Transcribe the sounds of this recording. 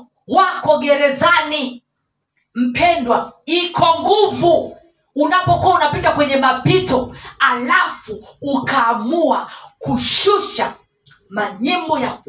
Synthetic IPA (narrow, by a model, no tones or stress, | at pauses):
wakɔɡɛɾɛzani | m̩pʰɛndwaikʰɔŋɡuvuː | napɔkuaunapitakwɛɲɛmapitɔalafuːkaːmuakuʃuʃa | maɲimbɔja